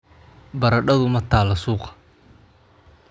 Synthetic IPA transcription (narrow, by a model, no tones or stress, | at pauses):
bɐɾɐɖɐðʊmɐt̪ʰaːlɐsuːqɐ̥